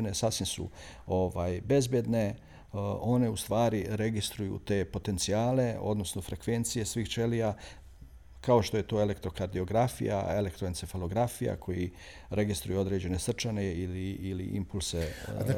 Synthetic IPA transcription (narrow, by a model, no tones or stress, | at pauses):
ne̞sasʋinsṵ | o̞ʋaːjbe̞zbjed̪ne̞ | o̞ne̞ust̪ʋaːɾiɾe̞ɡist̪ɾujṵt̪e̞ːpo̞t̪e̞nt̪siaːle̞o̞̰d̪no̞sno̞fɾe̞kʋe̞nt̪sije̞sʋiːxt͡ʃe̞lija | kaoʃt̪o̞je̞t̪o̞ːele̞kt̪ɾo̞kaɾd̪io̞ɡɾafḭja̰elekt̪ɾoinsefalo̞ɡɾafija̰kʰo̞ji | ɾe̞ɡist̪ɾujeo̞d̪ɾed͡ʑe̞ne̞sr̩t͡ʃane̞iliiliʔḭmpulˠse